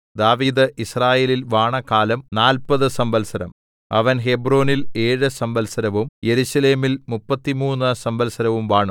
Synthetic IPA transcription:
d̪aːʋiːd̪ɨʔisraːjeːlilʋaːɳɐkaːlɐmnaːlpɐðɨsɐmbɐlsɐɾɐ̰m | ɐ̰ʋɐnɦebro̞ːnile̞ːɻɨsɐmbɐlsɐɾɐʋumje̞ɾuɕɐle̞ːmilmupːɐt̪ːimuːnːɨsɐmbɐlsɐɾɐʋumʋaːɳu

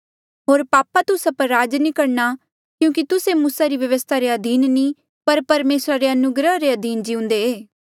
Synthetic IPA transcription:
ɦoːɾpaːpat̪ʊsapəɾːaːd͡ʒnĩːkɐɽna | kjũːkit̪ʊsemuːsaɾiʋjəʋəst̪ʰaɾeɐd̪iːnnĩ | pɐɾpɐɾmeːsɾaɾeɐnʊɡɾəɦɾeɐd̪iːnd͡ʒiʊ̃nd̪eeː

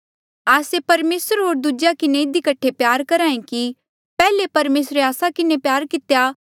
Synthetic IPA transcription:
aːsepɐɾmeːsəɾɦoːɾd̪ud͡ʒjakɪnẽɪd̪ikɐʈʰːepjaːɾkɐɾãːẽki | pɛːlepɐɾmeːsɾeaːsakɪnepjaːɾkɪt̪eja

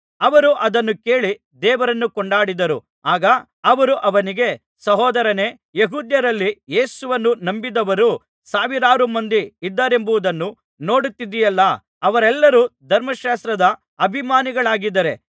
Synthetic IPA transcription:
ɐʋɐɾuʔɐd̪ɐnːuke̞ːɭi | d̪ɛːʋɐɾɐnːukɔɳɖaːɽid̪ɐɾu | aːɡɐː | ʋɐɾuʔɐʋɐniɡe̞ | sɐɦɔːd̪ɐɾɐne̞ː | jeɦuːd̪jɐɾɐlːije̞ːsuʋɐnːunɐmbid̪ɐʋɐɾu | saːʋiɾaːɾumɐnd̪iid̪ːaːɾe̞mbuʋud̪ɐnːu | no̞ːɽut̪ːid̪ijɐlːɐ | ɐʋɐɾɛlːɐɾud̪ʱɐɾmɐʃaːst̪ɾɐd̪ɐ | ɐbʱimaːniɡɐɭaːɡid̪ːɐɾe̞

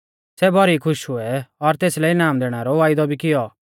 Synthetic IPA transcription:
sɛbɔɾikʰʊʃɦʊɛɔɾt̪eːslɛinaːmd̪eːɽ̃aɾɔʋaːɪd̪ɔbʱikɪjɔ

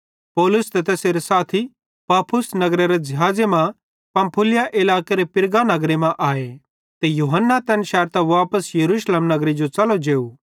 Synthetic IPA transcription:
pɔːlʊst̪ɛt̪eːseɾesaːt̪ʰi | paːpʰʊsnɐɡɾeɾed͡ʒɐɦaːd͡zemã | pɐ̃mpʰʊlɪjaʔɪlaːkeɾepɪɾɡanɐɡɾemãʔaːe | t̪ejuːɦənːat̪ɛːnʃɛːɾt̪ɛʋaːpəsjɐɾuːʃleːmnɐɡɾid͡ʒot͡ʃɐlod͡ʒeːu

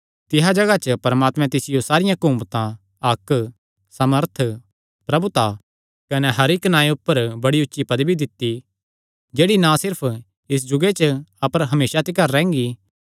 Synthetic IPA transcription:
t̪ɪɦad͡ʒɐɡat͡ʃəpɐɾmaːt̪mɛ̃t̪ɪsɪjosaːɾɪjãkũmt̪ã | ɐkː | sɐməɾt̪ʰ | pɾɐbut̪a | kɐnɛɦɐɾɪknãːiʊpːəɾbɐɽiʊtːʃipɐd̪bʱid̪ɪt̪ːi | d͡ʒeːɽinãsɪɾpʰ | ɪs̬d͡ʒʊɡet͡ʃəɐpəɾɦɐmeːsat̪ɪkaːɾːɛ̃ːŋ̆ɡi

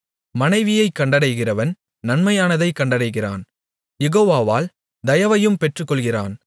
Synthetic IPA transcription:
mɐnɐɪʋɪjɐɪkːɐɳɖɐɽɐɪɣɪrɐʋɐn | nɐnmɐjaːnɐðɐɪkːɐɳɖɐɽɐɪɣɪra̰ːn | jɛɣoːʋaːʋaːl | d̪ɐjɐʋɐjɯmpɛʈrɯkːɔɭɣɪraːn

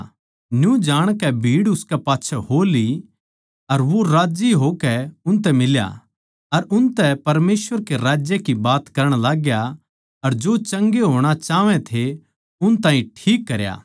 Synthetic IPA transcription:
njũd͡ʒaːɽ̃kɛbʱiːɽʊskɛpaːtːʃʰɛɦoːli | ɐɾʋoɾaːd͡ʒiɦokɛʊnt̪̬ɛmɪlja̰ | ɐɾʊnt̪ɛpɐɾmeːsʋəɾkeɾaːd͡ʒjekibaːt̪kɐɾəɽ̃laːɡja | ɐɾd͡ʒoːt͡ʃɐ̃ŋɡeɦoːɽ̃at͡ʃaːʋɛ̃t̪ʰe | ʊnt̪ãːĩʈʰiːkːɐɾja̰ː

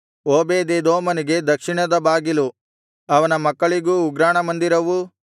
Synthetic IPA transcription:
oːbeːd̪eːd̪oːmɐniɡe̞d̪ɐkʂiɳɐd̪ɐbaːɡilu | ɐʋɐnɐmɐkːɐɭiɡuːɡɾaːɳɐmɐnd̪iɾɐʋu

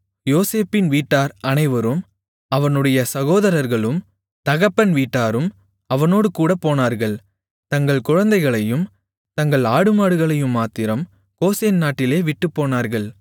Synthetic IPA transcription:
joːseːpːɪnʋiːʈːaːɾɐnɐɪʋɐɾɯm | ɐʋɐnɯɽɐjɐsɐɣoːðɐɾɐɾɣɐɭɯm | t̪ɐɣɐpːɐnʋiːʈːaːɾɯm | ɐʋɐnoːɽɯkuːɽɐpːoːnaːɾɣɐɭ | t̪ɐŋɡɐɭkʊɻɐnd̪ɐɪɣɐɭɐjɯm | t̪ɐŋɡɐɭaːɽɯmaːɽɯɣɐɭɐjɯmːaːt̪ɪɾɐm | koːseːnnaːʈːɪleːʋɪʈːɯpːoːnaːɾɣɐɭ

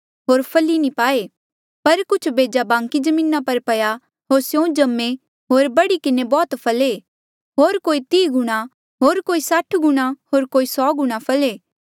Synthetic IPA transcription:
ɦoːɾpʰɐlinĩpaːe | pɐɾkʊt͡ʃʰbʱeːd͡ʒabãːŋkid͡ʒɐmĩːnapɐɾpɐja | ɦoːɾsjõd͡ʒɐmːe | ɦoːɾbɐɽikɪnebɔːt̪pʰɐle | ɦoːɾkoːit̪iːɡʱʊɽ̃a | ɦoːɾkoːisaʈʰɡʊɽ̃aɦoːɾkoːisɔːɡʊɽ̃apʰɐleː

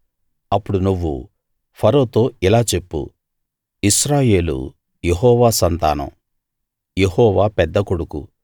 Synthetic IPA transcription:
ɐpːuɽunuʋːṵ | pʰɐɾo̞ːt̪o̞ːilaːt͡ʃepːṵ | iʃɾaːje̞ːlṵ | jeɦɔːʋaːsɐnt̪a̰ːnɐ̰m | jeɦɔːʋaːpɛd̪ːɐkoɽukṵ

